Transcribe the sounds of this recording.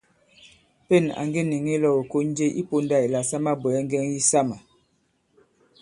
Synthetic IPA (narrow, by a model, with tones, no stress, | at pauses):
pe˦˨na̰˨ŋɡe˦ni˨ŋi˦lɔ˨o˨ko˦n˦d͡ʒe˦ʔi˦po˦nda˦˨i˨la˨sa˦ma˦bwɛ˨ɛ˦ŋ˦ɡɛ˦ŋji˦sa˦ma˨